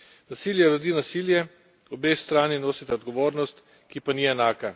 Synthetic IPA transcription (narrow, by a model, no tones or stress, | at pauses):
nasiljɛɾod̪iːnasiljɛ | ɔbest̪ɾaːninoːsit̪ɛɔd̪ɡɔʋoːɾnɔst̪ | kipaniɛnaːka